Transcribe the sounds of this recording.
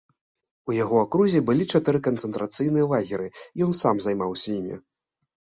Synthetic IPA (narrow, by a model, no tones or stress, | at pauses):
ujaɣɔakɾuzʲɛbɨlʲit͡ʂat̪ɨɾɨkɐnt̪sɛnt̪ɾat̪sɨjnɨjɐlˠaɣʲɛɾɨjɔnsamzajmawsʲɐjimʲḭ